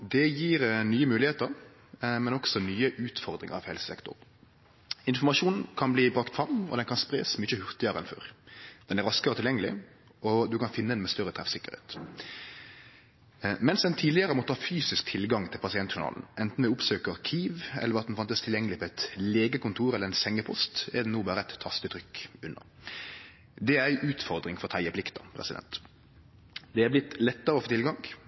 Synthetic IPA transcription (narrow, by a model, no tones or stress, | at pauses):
d̪ɛjiːɾnyːəmʉːlɪheːt̪əɾ | mɛnɔksɔnyːəʔʉːt̪fɔɾd̪ɾɪ̰ŋ̰ɑ̰ʋhɛlsə̥sɛ̰kt̪ʊ̰ɾ | ɪnfɔʁmɑʂuːnn̩kʰɑnbliːbɾɑkt̪fɾɑmːɔ̰d̪ɛnkɑnspɾḛːsmyçəhʉʁt̪ɪəɾəɛ̰nfɔ̰ɾd̪̥ɛnæɾɑskəɾɔt̪ʰɪljɛŋːəlɪ̰ | ɔd̪ʉkɑnfɪnːəd̪ɛnmɛst̪œɾːət̪ʰɾɛfsɪkːəɾḛːt̪ | mɛnsɛnt̪ʰiːlɪəɾəmɔt̪ːʰɑːfyːsɪsk̚t̪ʰɪlɡɑŋt̪ʰɪlpɑsɪɛnt̪ʃʊnɑ̰ːln̩ʔɛnt̪n̩ʋɪʊpsøːkəɾkʰiːʋɛ̰lːəɾɑt̪d̪nfɑnt̪əst̪ʰɪljɛŋːəlɪpʰɔɛɪt̪leːɡəkʊnt̪ʰuːɾɛlːəʁɛnsɛŋːəpʰɔst̪ɛd̪ɛnuːbɑːɾəæt̪ʰːɑst̪ət̪ʰɾʏkːʉnːə̰ | d̪ɛæɾæɪʔʉːt̪fɔɾd̪ɾɪŋfɔʁɔt̪ʰɑɪəplɪkt̪əpʰɾɛ̰sɪd̪ɛ̰nt̪ | d̪ɛæɾblɪt̪lɛt̪ːəɾəɔfoːt̪ʰɪlɡɑŋ